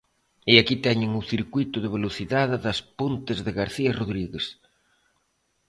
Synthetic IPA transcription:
eakit̪ɛɲɪŋʊθiɾkwit̪ʊðeβ̞eloθiðaðɪðɐspont̪ɪzðeɣaɾθiɐroðɾiɣes

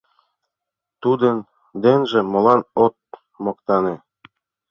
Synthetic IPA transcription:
t̪ud̪ɤn | d̪enʒĕmŏlɑnot̪̚ | mɤ̆kt̪ɑne

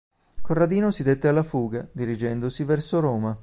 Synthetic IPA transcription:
korːad̪iːnosid̪et̪ːealːafuːɡad̪iɾid͡ʒɛnd̪osivɛrsoɾɔːma

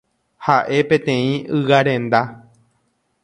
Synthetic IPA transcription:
haʔe̞pẽ̞t̪ẽ̞ĩɨɣaɾẽ̞nd̪a

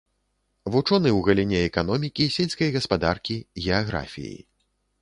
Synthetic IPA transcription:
vut͡ʂɔnɨwɣɐlʲinʲɛɛkanɔmʲikʲisʲɛlʲsʲkɐjɣɐspad̪arkʲiɣʲɛaɣɾa̰fʲḭjḭ

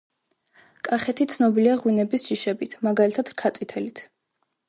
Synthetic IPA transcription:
kʼaχɛt̪ʰit̪sʰnɔbiliaʁwinɛbisʒ̥iʃɛbit̪ʰmaɡalit̪ʰad̪̥kʰat̪sʼit̪ʰɛlit̪ʰ

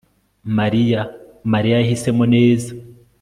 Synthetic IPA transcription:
maɾijamaɾijajahise̞mone̞ːza

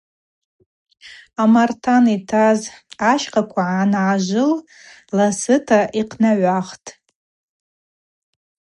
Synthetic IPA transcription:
amartʰanitʰazaʃqakʷʰaʕanʕaʒʷʊl | lasɨtʰaʔiqʰnaʕʷaχtʼ

